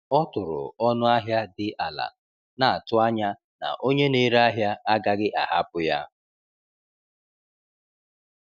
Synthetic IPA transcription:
ɔ˦tʊ˨ɾʊ̰˨ɔ˦nʊ˦a˦ɦja˦dɪ˨ʔa˨la̰˨ | na˨a˨tʊ˦a˦ɲa˦ | na̰˨ʔo˦ɲe˦ne˦ɾa˦ɦja˦a˦ɡa˦ɡɪ˦ʔa˨ɦa˦pʊ˦ja̰˦

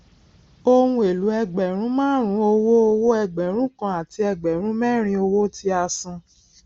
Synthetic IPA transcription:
o˧hũ˧˦e˨lu˨˦ɛ˧ɡ͡bɛ˨ɾ̃ũ˨˦mãː˦˨ɾ̃ũ˨˦o˧wo˦o˧wo˦ɛ˧ɡ͡bɛ˨ɾ̃ũ˦kã˧a˨ti˧ɛ˧ɡ͡bɛ˨ɾ̃ũ˦mɛ˦ɾ̃ĩ˧o˧wo˦ti˧a˧sũ˧

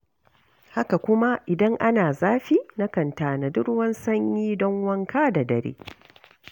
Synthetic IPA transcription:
ha˦ka˨kʷʊ˦ma˦ʔɪ˨dɐ˦ŋʔa˦naː˨zaː˦ɸiː˦na˦kɐ˨ntaː˨na˨dʊ˦ɽwɐ˦nsɐ˦ɲjiː˦dɔ˦ŋwɐ˦ŋkaː˦da˨dɐ˨ɾḛː˦

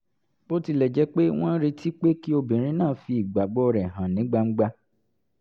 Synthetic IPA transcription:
o˦ti˧lɛ˨d͡ʒɛ˨˦k͡pe˦w̃ɔ̃˦ɾi˧tʰi˦k͡pe˦ki˦o˧bĩ˨ɾ̃ĩ˦nãː˦˨fi˧i˨ɡ͡ba˨ɡ͡bɔ˦ɔ˧ɾɛ˨ɦã˨nĩ˨˦ɡ͡ba˧ŋ͡m̩˦ɡ͡ba˧

